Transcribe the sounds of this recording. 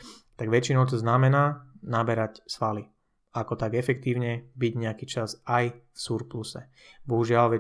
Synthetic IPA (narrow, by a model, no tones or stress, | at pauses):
t̪aɡʋɛt͡ʃinɔʊt̪̬ɔznamɛnaːnabɛɾacsʋali | akɔt̪aɡɛfɛk̚t̪iːʊɲɛbiɟɲɛakiːt͡ʃasajfsuɾplusɛ̰ | bɔɦuʒɪalʋɛ